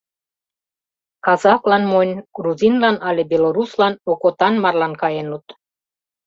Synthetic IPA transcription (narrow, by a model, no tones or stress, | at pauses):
kɑzɑklɑnmonʲɡ̥ruzinlɑnɑlʲebeloɾuslɑnokot̪ɑnmɑrlɑnkɑjenut̪